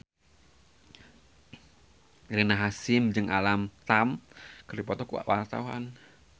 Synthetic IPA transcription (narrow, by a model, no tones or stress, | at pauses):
ɾenaɦasɪmd͡ʒɨŋʔalamt̪amkəɾdipɔt̪ɔkuwa̰ʔwʔa̰rt̪a̰uɦa̰n